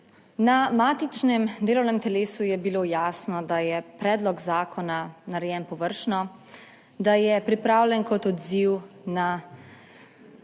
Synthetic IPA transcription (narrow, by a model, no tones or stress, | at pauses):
namaːt̪it͡ʃnɛmd̪eːlɔwnɛmt̪ɛleːsujɛbiloːjaːsnɔd̪ajɛpɾɛːd̪lɔɡzaːkʰɔnanaɾɛjɛnpɔʋəɾʃnɔ | d̪ajɛpɾipɾaːwlʲɛnkɔt̪ɔd̪ziwna